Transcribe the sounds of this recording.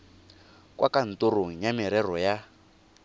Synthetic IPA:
kʼwʔakan̩toɾoŋ̩jamiɾɛrɔja

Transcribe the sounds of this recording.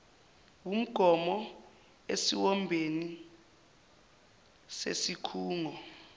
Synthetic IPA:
wum̩ɡ̥ʱɔmɔ | ḛsiwɔmbʱeni | sḛsikʰuːŋɔ

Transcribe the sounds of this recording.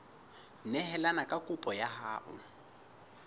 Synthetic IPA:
nɛɦɛlanakʼakʼʊpʼɔjahaːʔʊ̰

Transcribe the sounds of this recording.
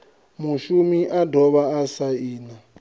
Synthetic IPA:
muʃumiʔadʱɔβaːsaiːna

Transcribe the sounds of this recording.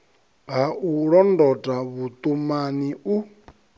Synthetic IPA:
ɦaʔuɺɔndɔtʼaβut̪ʼumaniu

